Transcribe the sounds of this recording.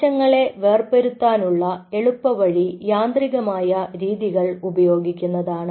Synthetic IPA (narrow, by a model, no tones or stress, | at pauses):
ɐŋːɐɭe̞ʋe̞ːrpeɾut̪ːaːnuɭːɐe̞ɭupːɐʋɐɻijaːnd̪riɣɐmaːjɐɾiːðiɣɐɭubɐjo̞ːɡikʲːunːɐðaːɳɨ